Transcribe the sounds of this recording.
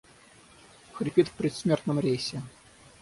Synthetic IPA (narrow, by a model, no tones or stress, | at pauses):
xɾʲipʲit̪fpʲɾʲɛt̪sʲmʲert̪nɨmɾʲejsʲɛ